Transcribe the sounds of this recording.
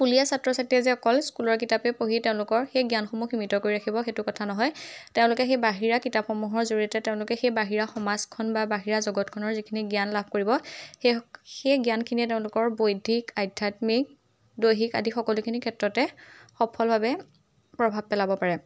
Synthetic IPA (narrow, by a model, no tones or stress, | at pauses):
pulijasatɹɔsatiɛzɛɔkɔlskulɔɹkitapɛpoɦiteʊ̃lʊkɔɹxejɡjanxomuximitɔkoɹiɹakʰibɔxetʊkɔtʰanɔɦɔjteʊ̃lʊkɛxejbaɦiɹakitapxɔmuɦɔɹzoɹiɔtɛteʊ̃lʊkɛxejbaɦiɹaxɔmazkʰɔnbabaɦiɹazɔɡɔtkʰɔnɔɹzikʰiniɡjanlab̚ʱkoɹibɔxexejɡjankʰiniɛteʊ̃lʊkɔɹbojdʱikajdʱatmik̚ | dojɦika̰dʱixɔkɔlukʰinikʰɛtɹɔtɛxɔpʰɔlbʱabɛ | pɹɔbʱab̚pɛlabɔpaɹɛ